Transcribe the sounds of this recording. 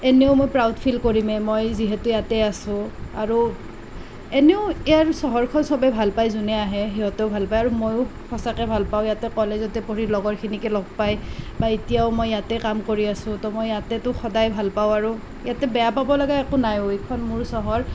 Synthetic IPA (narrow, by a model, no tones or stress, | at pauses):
ɛnɛʊmojpɹawdpʰilkoɹimɛmojziɦɛtʊjatɛasʊ̃aɹu | ɛnɛʊɛjaɹsɔɦɔɹkʰɔnsɔbɛbʱalpajzunɛaɦɛxiɦɔtɛʊbʱalpajaɹumojʊxɔsakɛbʱalpaʊ̃jatɛkɔlezɔtɛpoɹilɔɡɔɹkʰinikɛlɔɡ̚pajbaitijaʊmɔjːatɛkamkoɹiasʊ̃tɔmojjatɛtʊxɔdajbʱalpaʊ̃aɹu | jatɛbɛjapabɔlaɡaɛkʊnajoikʰɔnmʊɹsɔɦɔɹ